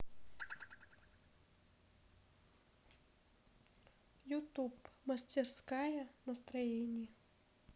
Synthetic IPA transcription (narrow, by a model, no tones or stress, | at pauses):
jut̪upmɐsʲtʲɪrskajɐnɐst̪ɾɐjenʲɪjɛ